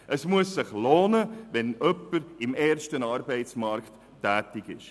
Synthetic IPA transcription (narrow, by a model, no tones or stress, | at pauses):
ʔəsmuəsːɪχloːnəʋɛnœpːəɾɪmɛːrʃtənɑːɾbɛɪt͡smɑrktː | æːtɪɡɪʃ